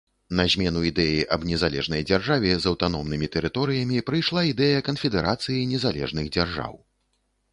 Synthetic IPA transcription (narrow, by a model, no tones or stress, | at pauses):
nɐzʲmʲɛnuid̪ɛjiʔɐbnʲɛzalʲɛ̰ʐnɐjd͡zʲarʐavʲɛzɐwt̪anɔmnɨmʲit̪ɛɾɨt̪ɔɾɨjɐmʲipɾɨjʂlˠaid̪ɛjɐkɐnfʲɛd̪ɛɾʔat̪sɨjinʲɛzalʲɛ̰ʐnɨɣd͡zʲarʐa̰w